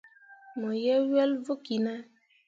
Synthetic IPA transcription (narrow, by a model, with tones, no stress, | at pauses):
mɔ˨je˦we˦lvʊ˦ki˨na˦